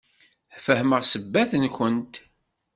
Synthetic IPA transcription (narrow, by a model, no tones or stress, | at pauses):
fəhməʁsəbːæθənçʷənt̪